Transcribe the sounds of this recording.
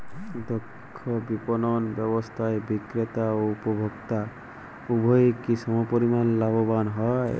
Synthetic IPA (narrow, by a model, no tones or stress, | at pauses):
d̪ɔkʰːɔbipɔnɔnbjɔbɔst̪ʰaebikɾet̪aoupɔbʱɔkt̪a | ubʱɔekisɔmɔpɔɾimanlabɔbanɦɔj